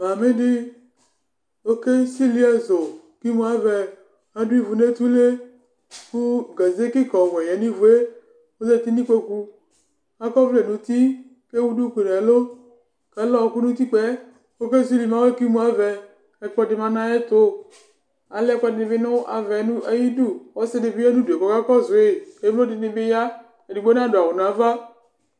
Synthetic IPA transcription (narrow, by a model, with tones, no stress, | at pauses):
ma˨mɪ˦dɪ˦ | o˦ke˦si˦li˦ɛ˦zo˨ | ki˦mũ˦a˦vɛ˨ | a˦du˦i˦vu˨ne˦t̪u˦le˦ | ku˦ɡa˨ze˦ki˦kɔ˨wɛ˨jɛ˨ni˦vu˨e˦ | o˦zɛ˦˨t̪i˦nĩ˦k͡pe˦ku˦ | a˦kɔ˦vle˨nũ˨t̪i˦ | ke˦wu˦du˦ku˨n˨ɛ˨lo˦ | kɛ˨˦lɔ˦˨ku˦nu˦t̪i˦k͡pɛ˦ | o˦ke˦si˦li˨ma˦we˦ki˦mu˦a˨vɛ˧ | ɛ˨k͡pɔ˦dɪ˨ma˨na˦ɛ˦tʊ˦˨ | a˨lɛ˦k͡pɔ˦dɪ˨ɪ˨bɪ˦nʊ˦ʔa˨vɛ˨˦nu˦a˨ji˦du˦ɔ˦sɪ˦dɪ˨bɪ˦ɛ˦nũ˦du˨e˨kɔ˨ka˦kɔ˦zʊ˨ɪ˨e˨˦o˦dɪ˨nɪ˦bɪ˦ja˦ | ɛ˨di˨ɡ͡bo˦na˦dʊ˨a˨ʊ˨n˨a˨˦va˦